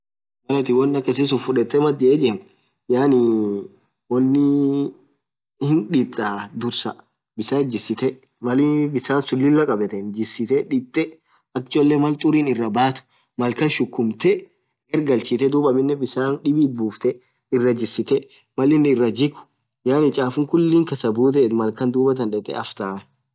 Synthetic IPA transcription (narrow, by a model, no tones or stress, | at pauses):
mɐlɐt̪ɪwɔnːɐkːɛs̬ɪs̬ʊfʊᶑɛt̪ːɛmɐd̪ɪʔeːd͡ʒɪn | jaːnɪ | wɐnːɪ | hɪnᶑɪt̪ʼːaːd̪ʊɾsɐ | bɪsaːd͡ʒɪsːɪt̪ɛ | mɐlɪbɪsaːnsʊlːɪlːɐkʼɐbɛt̪ɛnd͡ʒɪsɪt̪ɛᶑɪt̪ʼːɛ | ɐkt͡ʃːɔlːɛmɐlt̪ʼʊɾiːnɪrːɐbaːt̪ʊ̥ | mɐlkɐnʃʊkːʊmt̪ɛ | ɛɾɡɐlt͡ʃiːt̪ɛd̪uːbɐmɪnːɛbɪsaːnᶑɪbiːt̪̚buːft̪ɛ | ɪrːɐd͡ʒɪsːɪt̪ɛ | mɐlɪnɪrːɐd͡ʒɪkʊ̥ | jaːnɪt͡ʃʼaːfʊŋkʊlːiːŋkɐsɐbuːt̪̬ɛːt̪mɐlkɐnd̪uːbɐt̪̬ɐnᶑɛt̪ʼɛ̰ɐft̪aː